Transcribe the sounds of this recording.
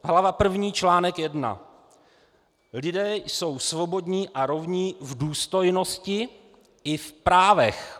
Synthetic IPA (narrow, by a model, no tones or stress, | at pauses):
ɦlavapr̩vɲiːt͡ʃlaːnɛkjɛdna̰ | lɪdɛːjso̞wsvo̞bo̞dɲiːʔaɾo̞vɲiːvduːst̪o̞jno̞scɪ | ɪfpɾaːvɛx